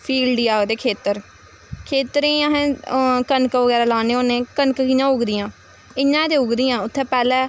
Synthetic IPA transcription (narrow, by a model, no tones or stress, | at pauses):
pʰiːlɖiːaːɡd̪eːkʰeːt̪əɾ | kʰeːt̪ɾẽːəɦɛ̃ːkənkʋəɡɛːɾɛːlaːneːoːnẽːkənkəkinãːʊɡd̪ɪjãː | ɪɲãːd̪eːʊɡd̪ijãːʊt̪ʰːẽːpɛːlɛː